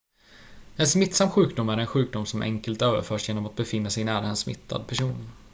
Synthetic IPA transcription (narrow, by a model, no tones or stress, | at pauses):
ɛnsmɪt̪samːɧʉ̟ːk̚d̪ʊmːæɾɛnɧʉ̟ːk̚d̪ʊmːsɔmʔɛ̰ŋkəlt̪øːvə̰ɾfœːʂjeːnɔmat̪̚bɛfɪnːasɛjnæːɾaɛnsmɪ̰t̪ʰːa̰d̪̚pʰæʂuːn